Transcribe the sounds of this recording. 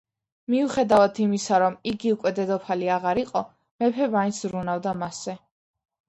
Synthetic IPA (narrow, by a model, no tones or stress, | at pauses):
miuχɛd̪avat̪ʰimisaɾɔmiɡiukʼwɛd̪ɛd̪ɔpʰaliaʁaɾiqʼɔ | mɛpʰɛmaint̪szɾunavd̪amasɛ